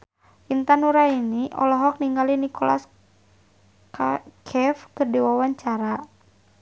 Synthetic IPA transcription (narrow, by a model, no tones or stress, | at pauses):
int̪anuɾainiʔɔ̰lɔɦɔk̚niŋɡalinikɔla̰s | kakʰɛfkɨrdiwawaɲt͡ʃaɾa